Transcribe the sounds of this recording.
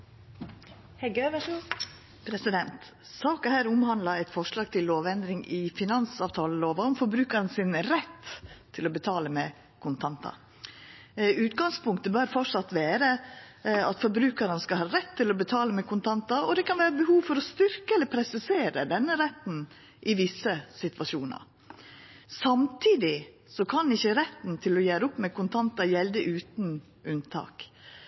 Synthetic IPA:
hɛɡøʋəʂ | pʰɾɛsɪd̪ɛnt̪ | sɑːkəhæːɾʊmhɑnd̪lɑæɪt̪fɔʂɭɑːɡ̚t̪ʰɪlːoːʋɛnd̪ɾɪŋɪfɪnɑnsɑːʋt̪ʰɑːləloːʋɑɔmfɔɾbɾʉːkɑɾnəsɪnɾɛt̪ʰː | ɪlɔbət̪ʰɑːləmɛ | kʰʊnt̪ʰɑnt̪ɑ̰ | ʉːt̪ɡɑŋspʊŋk̚t̪əbœɾfɔʈʂɑt̪ʋæːɾə | ɑt̪fɔɾbɾʉːkɑɾənəskɑlhɑːɾɛt̪ʰːɪlɔbət̪ʰɑːləmɛkʰʊnt̪ʰɑnt̪ɑɔd̪ɛkɑnʋæːɾəbəhuːʋfɔɾɔst̪ʏɾkəɛlːəɾpʰɾɛsɪseːɾəd̪ɛnːəɾɛt̪ːn̩ | ʔɪʋɪsːəsɪt̪ʋɑʂuːnɑ̰ɾ | sɑmt̪ʰiːd̪ɪ | sɔkʰɑnɪçːəɾɛt̪ːn̩t̪ʰɪlɔjæːɾəʊpːmɛkʊnt̪ʰɑnt̪ɑjɛld̪əʔʉːt̪n | ʔʉnt̪ʰɑ̰ːk

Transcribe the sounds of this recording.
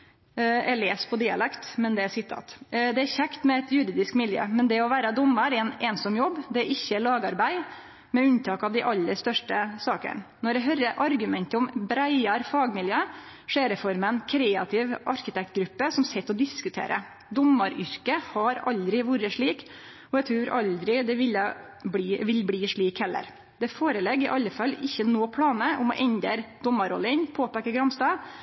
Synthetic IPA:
ɛ̰leːspʰɔd̪ɪɑ̰lɛkt̪mɛnd̪ɛæsɪt̪ʰːɑ̰ːt̪d̪ɛæɾçækt̪mɛɛt̪jʉɾiːd̪ɪskmɪljø̰ːmɛnd̪ɛɔʋæːɾəd̪ɔmːəɾɛneːnsɔmːjɔbːd̪ɛæɾʔɪçːəlɑːɡɑɾbæɪ | mɛʉnt̪ʰɑːkɑʋd̪ɪʔɑlːəɾst̪œʂʈəsɑːkə̰nnɔɾɖ̪ɛɦœɾəʔɑɾɡʉmɛnt̪əɔmbɾæɪɑɾfɑːɡmɪljøːʂeːɾəfɔɾmɛnkʰɾeːɑt̪ʰɪʋʔɑɾkɪt̪ɛk̚t̪̚ɡɾʉpːəsɔmsɛt̪ːɔd̪ɪskʉt̪ʰḛːɾʔə̰ | d̪ɔmːəɾʏɾkəhɑɾɑ̰ld̪ɾɪʋuːɾəʂɭiːk | ɔɛɡt̪ʰɾʉːɾʔɑld̪ɾɪd̪ɛʋɪlːə | bliːʋɪlbliːʂɭiːkhɛlːə̰ɾ | d̪ɛfoːɾəlɛɡɪʔɑlːəfɑlːɪçːənoːpʰlɑːnəʔʊmɔ̰ʔɛɲd̪ḛːɾd̪̥ɔmːəɾɔ̰lːəɪnpʰoːpæːkəɡɾɑmst̪ɑː

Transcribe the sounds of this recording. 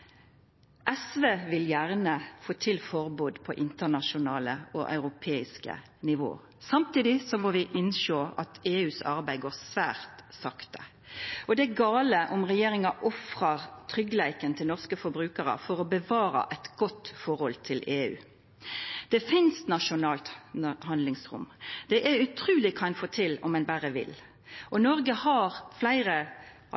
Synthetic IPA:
ʔɛsʋeːʋɪljæʁnəfoːt̪ʰɪlfɔʁbuːd̪pʰɔ̰ʔɪnt̪ənɑʃʊnɑːləɔʔɑ̰ʉʁʊpʰeːɪskə̰ | nɪʋo̰ː | sɑmt̪iːd̪ɪsɔmoʋɪʔɪnʃoːɑt̪eːʉːsɑ̰ʁbæɪɡoːʁsʋæːʁt̪sɑkt̪ə | ʔɔd̪ɛæɡɑːləʔʊmʁɛjeːʁɪŋɑʔɔfʁɑʁt̪ʰʁʏɡlæɪkənt̪ʰɪlnɔʁskəfɔɾbɾʉːkəɾə̰fɔʁɔbəʋɑːɾɑ̰ʔɛɪt̪ɡ̥ɔt̪ːfɔɾhɔlt̪ʰɪlʔeːʉ̰ː | d̪̥ɛfɪnst̪nɑʃʊnɑːlt̪hɑnd̪lɪŋsʁʊ̰md̪̥ɛʔæɾʉt̪ʰʁʉːlɪkʰɑɛnfoːt̪ʰɪlɔ̰mɛnbæɾəʋɪ̰l | ʔɔnɔɾɡəhɑɾflæɪʁə

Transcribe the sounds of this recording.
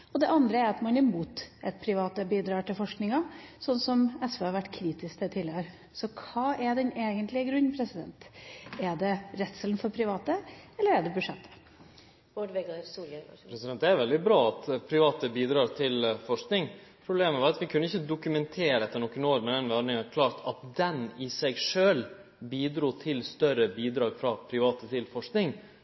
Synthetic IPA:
ɔd̪ɛʔɑnd̪ɾəæɾɑt̪mɑnɪmuːt̪ʔɛt̪̚pʰɾɪʋɑːt̪əbiːd̪ɾɑːʈɪlfɔʂknɪŋɑsɔnsɔmɛsʋeɑɾʋæʈːkʰɾiːt̪ɪskd̪ɛt̪ʰɪløɾ | sɔkʰɑːʔɛɖɛneːɡənt̪lɪəɡɾʉnːpʰɾɛsɪd̪ɛ̰nt̪ɛɖɛɾɛt̪səln̩fɔɾpʰɾɪʋɑːt̪əɛlːəɾæɖɛbʉʂɛt̪ʰːə̥ | oɖʋɛɡ̪suːlpɾɛsɪd̪ɛnt̪d̪ɛæɾʋɛld̪ɪbɾɑːɑt̪pʰɾɪʋɑːt̪əbiːd̪ɾɑːɾt̪ʰɪlfɔʂknɪŋ | pʰɾʊbleːməʋɑːɾɑt̪ʋɪkʰʉnːəɪçːəd̪ʊkʉmɛnt̪ʰeːɾəɛt̪ːəɳɔkːənoːɾmɛd̪ɛnʋæɳɪŋɑɾkʰlɑːɾt̪ʰɑt̪̚d̪ɛnɪsɛɪɡʂøːl | biːd̪ɾuːt̪ʰɪlst̪œɾəbiːd̪ɾɑːɡfɾɑpʰɾɪʋɑːt̪ət̪ʰɪlfɔʂknɪŋ

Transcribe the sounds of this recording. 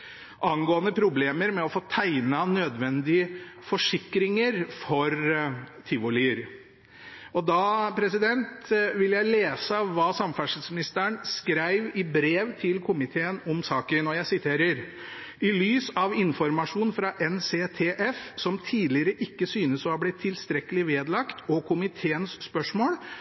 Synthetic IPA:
ʔɑnɡoːənəpʰɾʊbleːməɾmɛɔfoːt̪ʰæɪnɑnøːd̪ʋɛnd̪ɪəfɔʂɪkɾɪŋəɾfɔɾt̪ʰɪʋʊliːəɾ | ɔd̪ɑpʰɾɛsɪd̪ɛnt̪ʋɪljæɪleːsəʋɑːsɑmfæʂəlsmɪnɪst̪əɳskɾæɪʋɪbɾeːʋt̪ʰɪlkʰʊmɪt̪ʰeːənɔmsɑːkənɔjæɪsɪt̪ʰeːɾəɾ | ɪlyːsɑʋɪnfɔɾmɑʂuːnfɾɑʔɛnseːt̪ʰeːʔɛfsɔmt̪ʰiːlɪəɾəʔɪkːəsyːnəsɔhɑblɪt̪ʰːɪlst̪ɾɛkːəlɪʋeːd̪lɑkt̪ɔkʰʊmɪt̪ʰeːənsːpœʂmoːl

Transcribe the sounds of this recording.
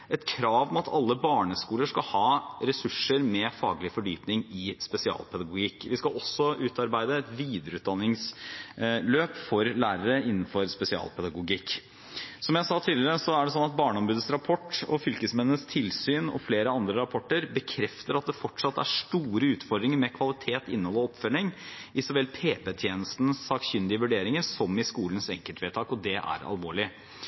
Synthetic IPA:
ʔɛt̪kʰɾɑːʋmɛɑt̪ʰɑlːəbɑːɳəskuːləʂkɑlhɑːɾɛsʉʂəɾmɛfɑ̰ːɡlɪfɔɖyːpnɪŋɪspɛsɪɑ̰ːlpʰɛd̪ɑɡʊɡɪkːʋɪskɑɔsːɔʔʉːt̪ɑɾbæɪd̪əɛt̪ʋiːd̪əɾəʉːd̪ɑnːɪŋs | løːpfɔɾlæːɾəɾəɪnːn̩fɔɾspɛsɪɑ̰ːlpʰɛd̪ɑɡʊɡɪkː | sɔmjæɪsɑːt̪ʰɪːləɾəsɔæɖɛsɔnːɑt̪̚bɑːɳəɔmbʉːd̪əsɾɑpʰɔʈːɔ̰fʏlkəsmɛnːəst̪ʰɪlsyːnɔ̰fleːɾəɑnd̪ɾəɾɑpʰɔʈːəɾbəkʰɾɛft̪əɾɑt̪̚d̪ɛfɔʈʂɑt̪ːæʂʈuːɾəʉːt̪fɔɖ̪d̪ɾɪŋəɾmɛkʰʋɑlɪt̪ʰeːt̪ɪ̰nːhɔlːəɔɔpfœɳɪŋʔɪsɔʋɛlːpʰeːpɛt̪ʰjeːnəst̪nsɑːkçʏnd̪ɪəʋʉɖeːɾɪŋəɾsɔmɪskuːlənsɛŋkəlt̪ʰʋeːt̪ʰɑːkɔd̪ɛʔæ̰ɾɑ̰lʋoːɭɪ

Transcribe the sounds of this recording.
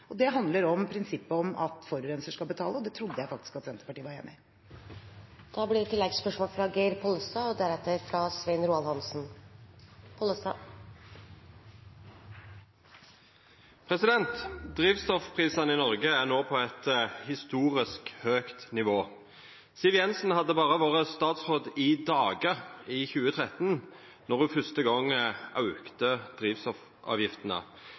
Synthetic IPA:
ɔd̪ɛɦɑnd̪ləɾɔmpʰɾɪnsɪpːəɔmɑ̰t̪fɔɾʉɾɛnsəʂkɑlbət̪ʰɑːləɔd̪ɛt̪ʰɾʊd̪ːəjæɪfɑkt̪ɪ̥skɑt̪sɛnt̪ə̥pɑʈiːʋɑɾḛːmɪ | d̪̥ɑːblɪɾt̪ʰɪlːɛɡspœʂmoːlfɾɑɡæɪɾpʰɔlst̪ɑːɔd̪æɾɛt̪ːəɾfɾɑsʋɛɪnɾuːɑlhɑnsn̩ | p̪ | pʰʁɛsɪd̪ɛnt̪d̪ʁiːʋst̪ɔfpʰʁiːsɑnɪnɔʁɡəæʁnoːpʰɔɛt̪hɪst̪uːʁɪskhøːkt̪nɪʋoː | sɪʋjɛnsn̩hɑd̪ːəbɑːʁəʋoːʁəst̪ɑːt̪sʁoːd̪ɪd̪ɑːɡəiːçʉːət̪ʰʁɛt̪n | nɔʁhʉfœst̪əɡɔŋʔɑʉkt̪əd̪̥ʁiːʋst̪ɔf | ʔɑ̰ːʋjɪft̪ənə̰

